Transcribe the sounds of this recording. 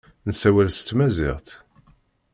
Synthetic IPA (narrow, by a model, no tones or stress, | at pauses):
nsæwælst̪ːmæzɪʁt̪